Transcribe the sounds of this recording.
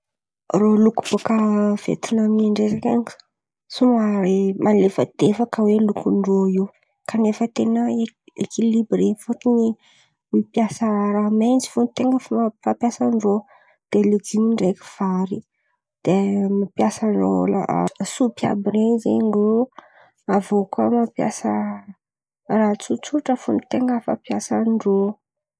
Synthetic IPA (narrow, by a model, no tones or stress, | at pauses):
rolukuv̥okəv̥ḛt̪inamiaɳɖ͡ʐezakaŋ | sumaemalefəd̪̥efakəwelukunroiw | kanefət̪enəḛkilibrefuʈ͡ʂuni | wipjasaɾament͡si̥funt̪eŋɡəffapjasanro | d̪̥eled͡zimiɳɖ͡ʐeki̥v̥aɾi | d̪̥emapjasaro̰la̰supia̰biɾenzḛɳro | avokamapja̰sa | rat͡sut͡suʈ͡ʂəfunit̪eŋɡəfa̰pjasanɖ͡ʐo